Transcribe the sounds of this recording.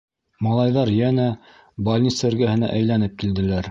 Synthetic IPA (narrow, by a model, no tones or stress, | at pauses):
mɑlˠɑjðɑɾjænæ | bɐlʲnʲit̪sɘ̆ɾɡæhɘ̆næ̰ʔæjlænɘp̚kild̪ɘ̆læɾ